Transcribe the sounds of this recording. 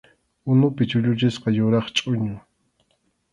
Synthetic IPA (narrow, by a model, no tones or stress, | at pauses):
ʊnʊpɪt͡ʃʊʎʊt͡ʃɪsqɑjʊɾɑχt͡ʃʼʊɲʊ